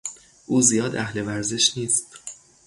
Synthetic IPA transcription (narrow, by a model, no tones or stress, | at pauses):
ʔuːzijɒːd̪ʔæhle̞væɾze̞ʃniːst̪